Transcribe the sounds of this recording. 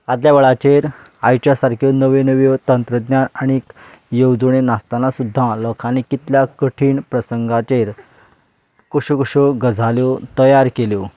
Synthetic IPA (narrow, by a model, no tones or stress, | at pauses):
ad̪ljaʋəɭat͡ɕeɾ | ajt͡ɕjasaɾkʰjonəʋenəʋjot̪ənt̪ɾəd̪njanaɽ̃ik | jəwd͡zuɽ̃enast̪anasud̪ʱːãlɔkʰanekit̪ljakəʈʰiːɳpɾəsəŋɡat͡ɕeɾ | koɕukoɕoɡəd͡zʱaljot̪əjaɾkeljo